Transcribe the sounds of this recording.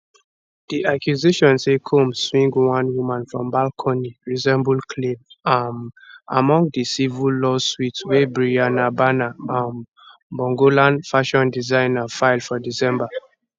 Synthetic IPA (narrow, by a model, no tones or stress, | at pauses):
d̥iʔakjuzeʃɔ̃nsekʰomswĩŋɡwãnwumãnfɹɔ̃mbalkʰɔ̃niɹizɛ̃mbulkʰlẽmana̰mɔ̃ŋɡdisivulɔswitwebɹianabanaãn | bɔ̃ŋɡolãnfaʃɔ̃ndizãɪnafaɪlfɔdisɛ̃mba